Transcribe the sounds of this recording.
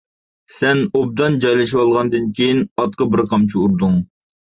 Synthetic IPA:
sɛnob̚d̪ɑnd͡ʒɑjlɪʃiwɑlˠʁɑnd̪ɨnkʲʰejinɑt̪̚qəbɪɾqʰɑmt͡ʃʰiuɾd̪uŋ

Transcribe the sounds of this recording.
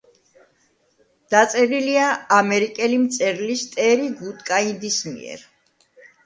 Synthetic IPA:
d̪̥at̪sʼɛɾiliaːmɛɾikʼɛlimt̪sʼɛɾlist̪ʼɛɾiɡut̪ʼkʼaind̪ismḭɛ̰ɾ

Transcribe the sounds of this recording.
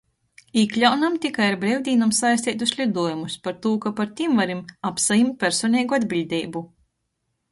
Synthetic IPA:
iklʲawnamt̪ʲikajaɾbɾɛwd̪ʲiːnamsajst̪ʲiːt̪uslʲid̪uɔjumuspaɾt̪uːkapaɾt̪ʲimvaɾimapsajimt̪̚pʲæɾsɔːnʲɛːɡuad̪bʲilʲd̪ʲiːbu

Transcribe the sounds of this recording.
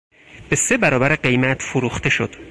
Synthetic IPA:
b̥e̞se̞bæɾɒːbæɾeɢe̞jmæt̪ʰfoɾuːxt̪ʰe̞ʃod̪̥

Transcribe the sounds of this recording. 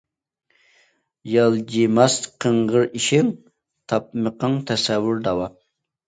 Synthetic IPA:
jɑlˠd͡ʒimɑst̪qʰəɴʁəɾiʃɪŋ | t̪ʰɑp̚məqəŋt̪ʰɛsɛwːʊɾd̪ɑwɑ

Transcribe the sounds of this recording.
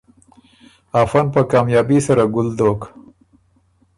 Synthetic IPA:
afanpəkɑːmjɑbisaɾaɡʊld̪ok

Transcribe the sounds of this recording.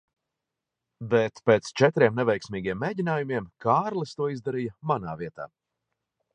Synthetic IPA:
bet̪peːt̪st͡ʃɛt̪ɾiɛmnɛvɛjksmʲiːɡʲiɛmːeːɟinaːjumiɛmkʰaːɾlˠɨst̪uɔizd̪aɾijɐmanaːviɛt̪a̰ː

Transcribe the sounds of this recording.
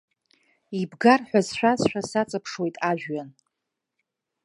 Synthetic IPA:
ibɡarħʷᶣazʃʷᶣazʃᶣasat͡sʼɨpʰʂwe̞jtʼaʒᶣɥan

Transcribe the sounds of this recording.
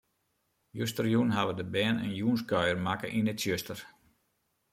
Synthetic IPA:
jøstərjunɦaʋədəbɛːnə̰njuːnskœɥərmakə̰ʔinətsjøstər

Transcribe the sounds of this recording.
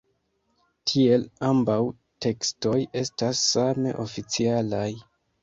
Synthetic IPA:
tʰie̞lambaw | tʰe̞ksto̞je̞stasːame̞̰ʔo̞fit͡sialaj

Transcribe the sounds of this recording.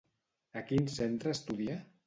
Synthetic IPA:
əkinsent̪ɾəːst̪uðia

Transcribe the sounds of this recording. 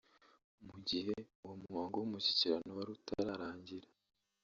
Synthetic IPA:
muɟiɦe̞uwomuŋaːŋɡowumuçi̥ciɾanowaɾutʰa̰ɾaɾaːɲɟiɾa

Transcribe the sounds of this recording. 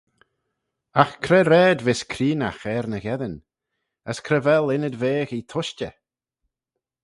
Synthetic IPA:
axkʰɾɛɾɛːdvɪskʰɾiːna̰xɛɾnəɣɛðən | əskʰɾɛvɛlˠɪnəd̪veːxit̪ʰʊʃt͡ʃə

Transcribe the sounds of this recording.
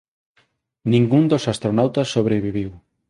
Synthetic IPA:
nĩŋɡund̪osast̪ɾonawt̪asːoβɾeβiβiw

